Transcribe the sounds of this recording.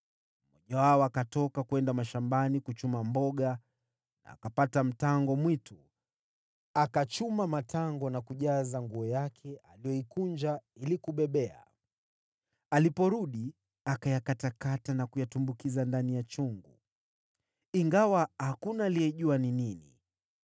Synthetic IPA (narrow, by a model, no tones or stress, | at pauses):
mɔʄawaɔakatɔkakuɛndamaʃambanikut͡ʃumambɔɠa | na̰ːkapatam̩taŋɡɔmwitu | akat͡ʃumamatʰaŋɡɔnakuʄazaŋɡuɔjakʰɛʔalijɔikund͡ʒailikuɓɛɓɛa̰ | alipɔɾuɗi | akajakatakatanakujatumbukizandanijat͡ʃuŋɡu | iŋɡawahakunaːlijɛʄuanininḭ